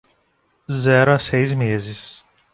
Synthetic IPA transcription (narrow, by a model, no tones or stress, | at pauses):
zɛɾʊasejzmezɪs